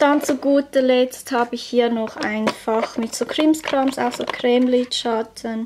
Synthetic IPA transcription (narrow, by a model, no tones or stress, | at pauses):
d̥ɑnt͡suɡ̥uːtəlɛt͡sthɑːbəɪçhiːnɔχa̰ɪnfɑχmɪtsoːkʰɾɪmskʰʁɑmsa̰ʊxsoːkʰrɛːmlitʃɑtʰən